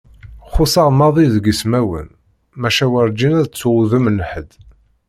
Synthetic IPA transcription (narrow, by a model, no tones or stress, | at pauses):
χʊsɑʁmɑðˤiðɡismæwə̰n | mæʃæwəɾˤd͡ʒinæðt͡sːwuðəmənːəħəd̪